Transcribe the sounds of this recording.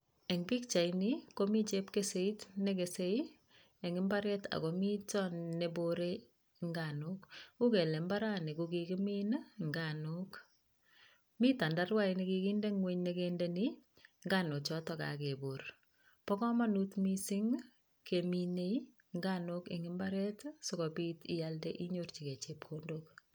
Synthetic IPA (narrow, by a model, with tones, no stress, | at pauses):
ɛ˨ŋbi˦k̚t͡ʃa˨iniko˦mi˦t͡ʃepkese˦i˦tne˦ke˨se˦i | e˨ŋɪ˦mba˦ɾɛ˦ta̰˨kɔ˨mi˦t͡ʃɔ˦nnebo˦ɾe | ŋɡano˦ku˦ke˨le˨mba˦ɾa˦ne˨kukikɪ˦mi˦nŋɡanok | mi˦ta˨nda˦rwa˦i˨ni˦ki˧ki˦nde˦ŋwe˦ɲne˦kendeni˦ | ŋɡa˦no˨t͡ʃɔ˦tɔka̰˨ke˨bo˨r | pɔ˦kɔ˦ma˦nu˦tmi˦sɪ˦ŋ | kemine˦i | ŋɡa˦nokḛ˨ŋɪmba˦ɾɛ˦tsɔkɔ˨pi˦tɪ˨jaldɛ˦ʔi˦ɲort͡ʃi˨ke˨t͡ʃe˨p̚kʰondok